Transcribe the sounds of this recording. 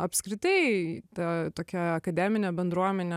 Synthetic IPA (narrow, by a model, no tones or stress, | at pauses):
ɐpʲskɾʲɪt̪ɐɪt̪ɐt̪oːkʲɛɐkɐd̪ʲæmʲɪnʲɛbʲɛnd̪ɾuɔmʲɛnʲɛ